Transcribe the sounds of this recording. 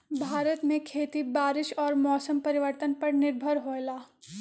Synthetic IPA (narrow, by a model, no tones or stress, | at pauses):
bʱaːɾət̪mẽkʰeːt̪ibaːɾɪʃɔːɾmɔːsəmpɐɾɪʋəɾt̪ənpɐɾnɪɾbʱəɾɦoːlaː